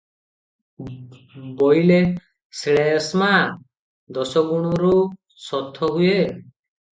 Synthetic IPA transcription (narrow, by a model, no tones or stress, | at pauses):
bɔjle | seɭesma | d̪ɔsɔɡuɽ̃ɔɾu | sɔt̪ʰːɔɦue